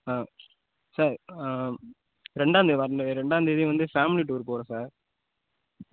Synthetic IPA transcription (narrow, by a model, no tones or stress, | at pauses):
aː | saːɾ | ɾɛɳɖaːnd̪ɯʋɐɾɳɾɛɳɖaːnd̪ɐðjʊ̃ʋɐnd̪ɯfaːmɪliʈuːɾpoːɾõːsaːɾ